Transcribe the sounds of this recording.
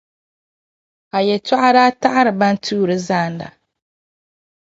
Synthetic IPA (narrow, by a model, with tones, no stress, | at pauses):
a˨jɛ˨ta˦ʔa˦ɾaː˦ta˦ʔa˦ɾɨ˨ba˦n˦tʰuː˦ɾɨ˦zaː˦˨n˦da̰˨